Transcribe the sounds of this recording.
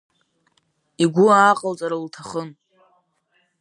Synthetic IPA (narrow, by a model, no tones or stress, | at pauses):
iɡʷʊaːqʼəlt͡sʼaɾaltʰaχən